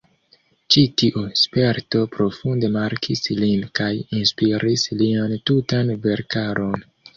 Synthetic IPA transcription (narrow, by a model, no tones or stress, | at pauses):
t͡ʃitiʔuspe̞ɾto̞pɾo̞funde̞maɾkʰislinkajinspiɾisliantutanve̞ɾkaɾʔo̞n